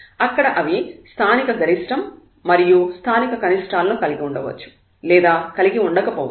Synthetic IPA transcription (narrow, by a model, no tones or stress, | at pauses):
ɐkːɐɽɐʔɐʋist̪ʰaːnikɐɡʱɐɾiʂʈɐmː | ɐɾijust̪ʰaːnikɐkɐniʂʈaːlɐnukɐliɡiuɳɖɐʋɐ̰t͡ʃːu̥ | lɛːd̪aːkɐliɡiuɳɖɐkɐpɔːʋ